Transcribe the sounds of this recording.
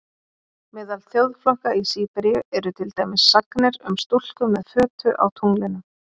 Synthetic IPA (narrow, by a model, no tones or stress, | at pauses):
mɪːðalθjowðflɔhkaisiːpɛɾjʏɛɾʏt̪ʰɪlt̪ajmɪsːaknɪɾʏmst̪ul̥kʏmːɛðfœːt̪ʏ̰ʔa̰wt̪ʰuŋlɪnʏ